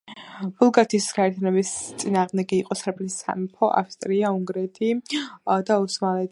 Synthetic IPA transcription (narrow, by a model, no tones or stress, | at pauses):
b̥ulˠɡaɾt̪ʰisɡaɛɾt̪ʰjanɛbist̪sʼinaːʁmd̪ɛɡiːqʼɔsɛɾpʰʼlisa̰mipʰɔʔa̰fst̪ʼɾiauŋɡɾɛt̪ʰi | d̪ausmalɛt̪